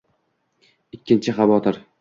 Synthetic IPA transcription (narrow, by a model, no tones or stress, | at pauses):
ɪkʲːɪnt͡ʃʰɪχɑvɒt̪ʰɪɾ